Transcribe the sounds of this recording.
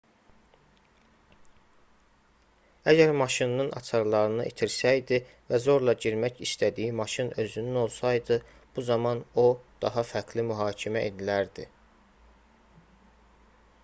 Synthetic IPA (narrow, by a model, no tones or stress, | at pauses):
æɟæɾmɑʃinnɯnɑ̰t͡ʃʰɑɾlˠɑɾɯnɯʔḭt̪ʰiɾsæjd̪i | væzo̞ɾlˠɑɟiɾmæcist̪æd̪ijimɑʃinø̞zynyno̞lˠsɑjd̪ɯ | b̥uzɑmɑno̞d̪̥ɑɦɑfæɾɡlimyɦɑːcʰimæʔed̪ilæɾd̪i